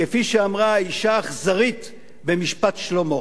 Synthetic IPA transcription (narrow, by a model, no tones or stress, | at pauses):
kefiʃeamʁaiʃaːχzaʁit̪ | bemiʃpatʃlo̞mo̞